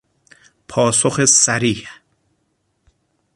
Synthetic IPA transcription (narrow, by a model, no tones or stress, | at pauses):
pʰɒːsoxesæɾiːh